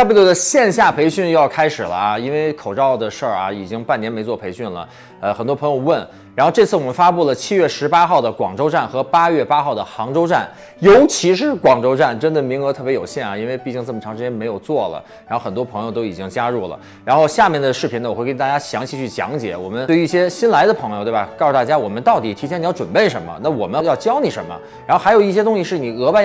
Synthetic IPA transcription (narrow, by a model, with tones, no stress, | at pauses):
pu˥˩ljo˧˥d̪ə˧ɕjɛ˥˧nɕ̬ja˥˩pʰe˧˥ɪɕy˥˧njɑ˥˩ʊkʰa˥ɪʂɻ̩˨˩lə˦˧i˥nwe˥˧ɪkʰo˨˩ʊʈ͡ʂɑ˥˩ʊd̪ə˩ʂə˞˥˩ɐ̰˩i˨˩t͡ɕi˥ŋpa˥˩njɛ˧˥nme˧˥ɪt͡swɔ˥˩pʰe˧˥ɪɕy˥˩nlə̰˩ | ə˧xə˨˩nt̪wɔ˥pʰɤ˧˥jo˧ʊwə˥˩n | ɻa˧˥nxʊʈ͡ʂɤ˥˧t͡sʰɹ̩˥˩wɔ˨˩mə˦nfa˥pu˥˩lə˩t͡ɕʰi˥ɥɛ˥˩ʂɻ̩˧˥pa˥xɑ˥˩ʊd̪ə˩kwɑ˨˩ŋʈ͡ʂo˥ʊʈ͡ʂa˥˩nxɤ˧˥pa˥jɥɛ˥˩pa˥xɑ˥˩ʊd̪ə˩xɑ˧˥ŋʈ͡ʂo˥ʊʈ͡ʂa˥˩n | jo˧˥ʊt͡ɕʰi˧˥ʂ̬ɻ̩˧˥kwɑ˨˩ŋʈ͡ʂo˥ʊʈ͡ʂa˥˩nʈ͡ʂə˥nd̪ə˨mi˧˥ŋɤ˧˥t̪ʰɤ˥˩pjjo˨˩ʊɕjɛ˥˩nɐ˩i˥nwe˥˧ɪpi˥˧t͡ɕi˥˧ŋt͡sə˥˩mə˩ʈ͡ʂʰɑ˧˥ŋʂɻt͡ɕjɛ˥nm˧˥ɪjo˨˩ʊt͡swɔ˥˩lə̰˩ | a˧˥xʊxə˨˩nt̪wɔ˥pʰɤ˧˥ŋjo˧ʊt̪o˥ʊi˨˩t͡ɕi˥ŋt͡ɕja˥ɻu˥˩lə̰˩ | ɻa˧˥nxo˥˧ʊɕja˥˧mjɛ˥˩nd̪ə˩ʂɻ̩˥˩pʰi˧˥nə˧˩ɔ˨˩xwt̪a˥˩t͡ɕja˥ɕjɑ̰˧˥ŋt͡ɕʰi˨˩t͡ɕʰy˥˩t͡ɕjɑ̰˧˥ŋt͡ɕjɛ̰˨˩wɔ˨˩mə˦n˥˩y˧˥i˥˩ɕjɛ˥ɕi˥nla˧˥ɪd̪ə˧pʰɤ˧˥ŋjt̪wbɐ˩kɑ˥˩su˧˩t̪a˥˩t͡ɕja˥wɔ˨˩mə˦nt̪ɑ˥˩ʊt̪i˨˩t̪ʰi˧˥t͡ɕʰjɛ˥˩n˨˩˥ʈ͡ʂwə˨˩npe˥˩ɪʂə˧˥nmə̰˧na˥˩wɔ˨˩mə˦˥jɑ˥˩ʊt͡ɕjɑ˥ʊni˨˩ʂə˧˥nmə̰˧ | ɻa˧˥xo˥˩ʊxjo˨˩ʊi˥˩ɕjɛ˥t̪ʊ˥ŋɕi˧ʂɻ̩˥˩ni˨˩ɤ˧˥pa˥˧ɪ